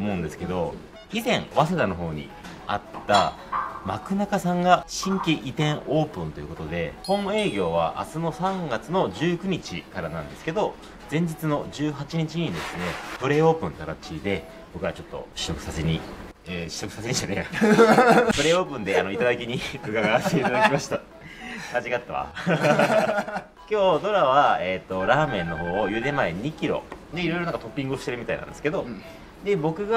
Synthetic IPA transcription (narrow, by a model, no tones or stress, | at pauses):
mo̞ɯ̃nd̪e̞sɨ̥ke̞d̪o̞ | izẽ̞ɰ̃βas̬ed̪ano̞ɦo̞ːɲ̟ḭ | a̰t̪ːa̰ | makɯ̟nakasãŋɡaɕĩŋkʲiʔit̪ẽ̞ɰo̞ːpɯ̟̃nt̪o̞jiɯ̟kot̪o̞d̪e̞hõ̞ɴe̞ːɡʲo̞ːβa̰ʔa̰sɨno̞sãŋɡat͡sɨno̞ʑɨːkɯ̟ɲ̟it͡ɕikaɾanãnd̪e̞sɨ̥ke̞d̪o̞ | d͡zẽ̞ɲ̟d͡ʑit͡sɨno̞ʑɨːɦat͡ɕiɲ̟it͡ɕiɲ̟id̪e̞sɨne̞pɯ̟ɾe̞ːo̞ːpɯ̟̃nt̪aɾat͡ɕid̪e̞ | b̥o̞kɯ̟βat͡ɕo̞t̪ːo̞̰ɕi̥t̪okɯ̟saseɲ̟i | eɕi̥t̪okɯ̟saseɲ̟iɕane | pɯ̟ɾe̞ːo̞ːpɯ̟̃nd̪e̞ano̞it̪ad̪akʲiɲ̟ikɯ̟ɡaɡaseiad̪akimaɕi̥t̪a | aʑiɡat̪ːaβa̰ | kʲo̞ːd̪o̞ɾaβaet̪ːo̞ɾaːmẽ̞nːo̞ɦo̞ːjɯ̟d̪e̞mae̞ɲ̟ikʲiɾo̞̰d̪e̞iɾo̞jɾoãŋkat̪o̞pʲːĩŋɡɯoɕit̪e̞ɾɯ̟mʲit̪aina̰nd̪sɨ̥ke̞d̪o̞ | d̪e̞bo̞kɯ̟ɡa